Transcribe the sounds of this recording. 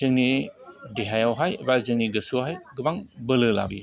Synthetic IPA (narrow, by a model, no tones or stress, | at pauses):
zɯŋnidiɦajawɦajbazɯŋniɡəsuɦajɡɯbaŋbəlɯla̰bḭ